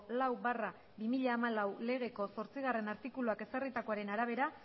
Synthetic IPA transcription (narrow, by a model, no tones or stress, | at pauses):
lawbara | bimiʎaːmalawle̞ɣ̞e̞ko̞so̞ɾt͡siɣ̞are̞naɾt̪ikuluake̞sarit̪ako̞aɾe̞naɾaβ̞e̞ɾa